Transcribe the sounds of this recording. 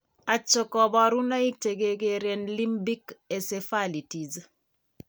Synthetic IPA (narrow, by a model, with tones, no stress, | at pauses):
a˨t͡ʃːɔ˨kɔ˨bɔ˨ɾu˦na˦i˦k̚te˨ɡe˨ɡe˨ɾe˨nli˦mbi˦ke˨se˨fa˦li˨ti˨z